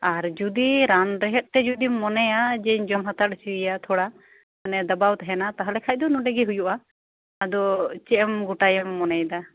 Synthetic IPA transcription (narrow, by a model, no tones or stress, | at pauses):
aɾd͡ʒud̪iɾanɾɛɦɛt̪̚ʈɛd͡ʒud̪imɔnɛjad͡ʒɛɲd͡ʒɔmɦat̪ʰaɾ̚t͡ʃiijat̪ʰɔɽa | anɛd̪abawt̪ɛɦɛnat̪aɦalɛkʰac̚d̪ɔnuɖɛɡɛɦujuʔaː | d̪ɔt͡ʃɛmɡuʈajɛmːɔnɛjd̪a